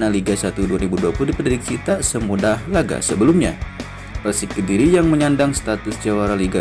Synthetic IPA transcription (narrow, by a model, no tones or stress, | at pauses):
naliɡasat̪uduaɾibuduapuludipəndidik̚t͡ʃit̪asəmudahlaɡa̰səbəlumɲa̰ | pərsikidiɾijaŋməɲandaŋst̪at̪ʊsd͡ʒawaɾaliɡa